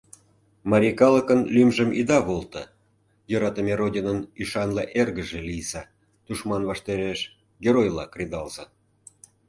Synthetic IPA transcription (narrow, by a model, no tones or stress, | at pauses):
mɑɾʲikɑləkənlʲymʒəmid̪ɑβolˠt̪ə | jəɾɑt̪əmʲeɾodʲinənyʃɑnleʔerɣəʒelijsɑ | t̪uʃmɑnβɑʃt̪eɾeʃ | ɡʲeɾojlɑ̰krʲed̪ɑlz̥ɑ